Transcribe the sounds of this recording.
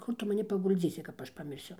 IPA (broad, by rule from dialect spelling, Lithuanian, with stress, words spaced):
ˈkʊr tʊ mɐˈnʲɪ pɐɡʊlʲˈd͡zʲiːsʲɪ kɐp ˈɐʃ pɐmʲɪrʲˈsʲʊ